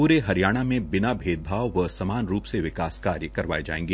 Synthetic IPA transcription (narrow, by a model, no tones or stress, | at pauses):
uːɾeɦɐɾjaːɽ̃amẽbɪnabʱeːd̪̚bʱaːʋʋɐsɐmaːnɾuːpseʋɪkaːskaːɾjəkɐɾʋa̰ːed͡ʒa̰ːḛ̃ːŋɡeː